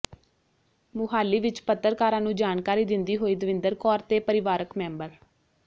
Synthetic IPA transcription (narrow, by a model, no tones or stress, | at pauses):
mʊɦaːlːiːʋɪt͡ʃpət̪ːəɾkaːɾãːnũːd͡ʒaːnkaːɾiːd̪ɪnd̪iːɦoːiːd̪əʋɪ̃nd̪əɾkɔːɾt̪eːpəɾɪʋaːɾəkmɛ̃ːmbəɾ